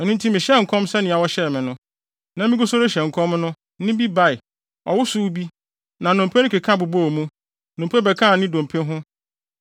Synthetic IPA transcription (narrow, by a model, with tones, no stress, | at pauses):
ɛ˨nũ˦n̩˦tʰĩ˦mɪ̃˨ɕɛ˦˨ŋ̩˨kʰɔ̃˦msɛ˦nɪ̃˨a˨wɔ˦ɕɛ˦˨mɪ̃˨nʊ̃˦ | nã˦mɪ̃˦ɡʊ˦so˦ɾe˦ɕɛ˨ŋ̩˨kʰɔ̃˦mnʊ̃˦ | nɪ̃˦bi˦ba˦ɪ˨ | ɔ˨wʊ˦suː˦bi˦ | nã˨nʊ̃˨m˨pʰɛ˦nʊ̃˦kʰe˨kʰã˦˨bʊ˨bo˦˨mũ˦˨ | nʊ̃˨m˨pʰɛ˦bɛ˨kʰã˦˨nɪ̃˦dõ˨m˨pʰẽ˦ɦʊ̃˦